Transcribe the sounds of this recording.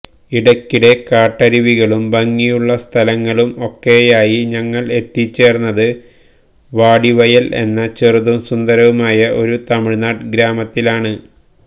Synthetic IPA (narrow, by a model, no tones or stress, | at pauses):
iɽɐkːiɽe̞kaːʈːɐɾiʋiɣɐɭumbɐŋːijuɭːɐst̪ʰɐlɐŋːɐɭumo̞kːe̞jaːjiɲɐŋːɐɭe̞t̪ːit͡ɕːe̞ːrnːɐðɨ | ʋaːɽiʋɐjɐlʔe̞̰nːɐt͡ɕerðumsund̪ɐɾɐʋumaːjɐʔo̞ɾut̪ɐmiɻnaːʈɡɾaːmɐt̪ːilaːɳɨ